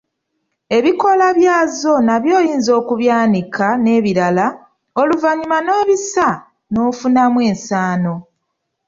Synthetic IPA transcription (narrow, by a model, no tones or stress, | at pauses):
e̞βiko̞laβjaːzo̞naβjo̞ːjiːnzo̞ːkuβjaːnikʰane̞ːβiɾala | oluvaɲimano̞ːβisa | no̞ːfunamwe̞ːnsaːno̞